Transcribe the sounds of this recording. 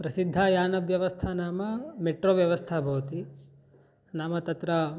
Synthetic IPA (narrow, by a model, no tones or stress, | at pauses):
pɾɐsid̪ʱːaːjaːnɐʋjɐʋɐst̪ʰaːnaːmɐmeʈɾoːʋjɐʋɐst̪ʰabʱɐʋɐt̪i | naːmɐt̪ɐt̪ɾɐ